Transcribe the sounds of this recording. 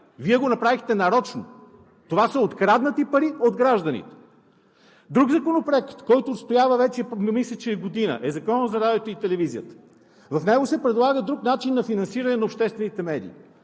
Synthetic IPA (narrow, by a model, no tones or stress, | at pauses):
viɛɡonɐpɾavixt̪ɛnɐɾɔt͡ʃno | t̪ovasɐot̪kɾad̪nət̪ipɐɾiod̪ɡɾaʒd̪ənḭt̪ɛ̥ | d̪ɾuɡzɐkonopɾoɛkt̪kɔjt̪oːt̪st̪ojavəvɛt͡ʃɛmislʲət͡ʃɛɡod̪inə̰ʔɛzɐkɔnozɐɾad̪ɛt̪oit̪ɛlɛvizijət̪ə̥ | vɐfnɛɡosɛpɾɛd̪lˠaɡəd̪ɾuknat͡ʃinːɐfinɐnsiɾɐnɛnɐopʃt̪ɛst̪vɛnit̪ɛmɛd̪ḭː